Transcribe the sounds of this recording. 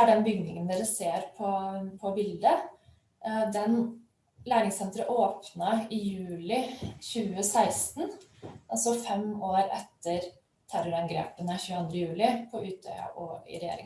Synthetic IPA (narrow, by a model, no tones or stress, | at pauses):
æɖɛnbʏɡnɪŋənd̪eːɾəseːɾpʰɔpʰɔbɪld̪ə | d̪ɛn | læːɳɪŋsɛnt̪ɾəʔoːpnɑɪjʉːlɪçʉːəsæɪst̪nʔɑlsɔfɛmoːɾɛt̪ːəɾ | t̪ʰæɾɔɾɑnɡɾḛːpənəçʉːɑnd̪ɾəjʉːlɪpʰɔʔʉːt̪̚d̪œ̰ʏɑ̰ʔɔɪ̰ɾɛjḛːɾɪ̰ŋ